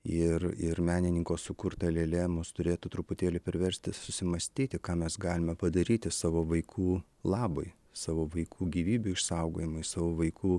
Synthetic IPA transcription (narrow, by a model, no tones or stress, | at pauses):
ɪrɪɾmʲæːnʲɪnʲɪŋkoːssʊkʊɾt̪ɐlʲɛlʲɛmʊst̪ʊɾʲeːt̪ʊt̪ɾʊpʊt̪ʲeːlʲɪpʲɛɾʲʋʲɛɾʲsʲt̪ʲɪsʊsʲɪmɐsʲt̪ʲiːt̪ʲɪkɑːmʲɛsɡɑːlʲɪmʲɛpɐd̪ɐɾʲiːt̪ʲɪsɑːʋoːʋɐɪkʰuː | lˠɑːbɐɪ | sɑːʋoːʋɐɪkʰuːɡʲiːʋʲiːbʲʊɪʃsɐʊɡoːjɪmɐɪsɑːʋoːʋɐɪkuː